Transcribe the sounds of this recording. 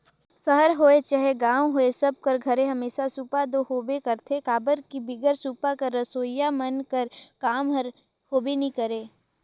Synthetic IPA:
səɦəɾɦoːet͡ʃaːɦeɡãːwɦoːesɐb̚kɐɾɡʱɐɾẽɦɐmeːʃasupad̪ohoːbekəɾt̪ʰekaːbəɾkibɪɡəɾsuːpakɐɾːɐsoːjamɐnkəɾkaːmɦəɾ | hoːbenĩkəɾeː

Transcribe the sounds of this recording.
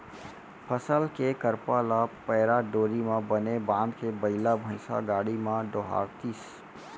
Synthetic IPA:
pʰəsəlkekəɾpalapəɦɾaɖoːɾimãbənebãnd̪kebəɪlabʱə̃ɪ̃sa̰ɡaːɽimãɖoɦa̰ɾt̪is

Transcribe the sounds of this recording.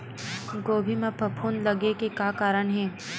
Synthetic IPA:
ɡoːbʱimẽpɐpʰuːnlɐɡekekaːkaːɾəɳɦɛː

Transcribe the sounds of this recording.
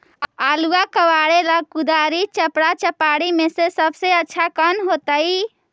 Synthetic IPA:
aluakəʋaɽeləɡ̚kud̪aɾit͡ʃəpɽat͡ʃəpaɽimesesəbseətːt͡ʃʰakənɦot̪əj

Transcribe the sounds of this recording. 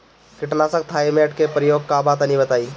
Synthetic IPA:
kiʈnasə̃ɡ̚t̪ʰajmeʈkepɾəjoɡ̚kabat̪ənibət̪aj

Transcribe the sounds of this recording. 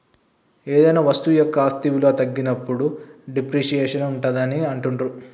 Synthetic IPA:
eːd̪ɐjnaːʋɐst̪ujɔkːɐaːst̪iʋulo̞ːt̪ɐɡːinɐpːuɽuɖipɾiːʃijɛːʂɐnuɳʈɐd̪ɐniɐɳʈuɳɖɾu

